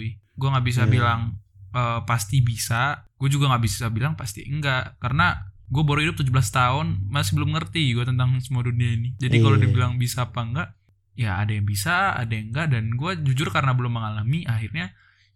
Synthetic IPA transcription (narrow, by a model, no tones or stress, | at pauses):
ɡuaŋaʔbis̬abilaŋ | əpast̪ibisaɡ̥uad͡ʒuɡaŋabisi̥sabilaŋpast̪ḭəŋɡaʔkarənaɡuabaɾuidʊp̚t̪ud͡ʒubəlast̪aʊnmasɪibəlʊmŋərt̪iɡuat̪ənt̪aŋsəmuaduniainid͡ʒadikalodibilaŋbisaːpaŋɡaʔ | jaa̰dajaŋbisaa̰dajaŋɡaʔdanɡuad͡ʒud͡ʒʊrkaɾənabəlʊmːəŋalamiʔahirɲa